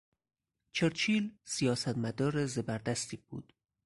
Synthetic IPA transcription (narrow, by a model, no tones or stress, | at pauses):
t͡ʃʰeɾt͡ʃʰiːlsijɒːsæt̪mæd̪ɒːɾezebæɾd̪æst̪iːbṵːd̪̥